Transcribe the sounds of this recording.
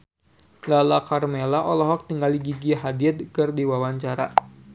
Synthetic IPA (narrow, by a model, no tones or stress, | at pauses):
lalakarmelaʔɔlɔɦɔk̚t̪iŋɡaliɡiɡiɦadiɛt̪̚kɨrdiwawaɲt͡ʃaɾa̰